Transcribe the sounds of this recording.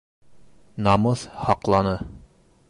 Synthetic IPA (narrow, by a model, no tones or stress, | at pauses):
nɑmɤðhɑqlˠɑnɤ